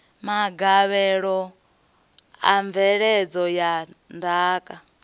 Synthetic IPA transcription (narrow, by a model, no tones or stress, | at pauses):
maɡaβɛɺɔ | a̰ɱvɛɺɛd͡zɔjandaːkʼa